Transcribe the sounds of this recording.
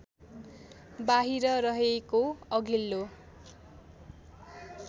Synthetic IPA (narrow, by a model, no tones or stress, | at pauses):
baɦiɾʌɾʌɦekoʌɡʱilːo